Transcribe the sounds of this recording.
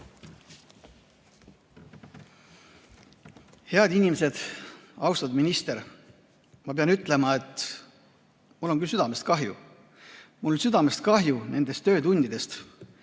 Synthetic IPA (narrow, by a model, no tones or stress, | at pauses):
he̞ɑd̪̥inʲimese̞d̪̥ɑwst̪ɑd̪minist̪e̞ɾ | mɑpeɑnyt̪ːˑle̞mɑe̞t̪ːˑ | mulːo̞nŋkylsyd̪ɑme̞st̪̚kɑɦjṵ | mulːonsyd̪̥ɑme̞st̪̚kɑɦjune̞nd̪̥e̞st̪ːø̞ːt̪unʲd̪̥id̪e̞st̪